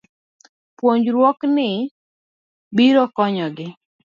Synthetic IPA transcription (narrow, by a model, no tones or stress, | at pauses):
pwoɲd͡ʒɾwɔknɪ | biɾɔkɔɲɔɡɪ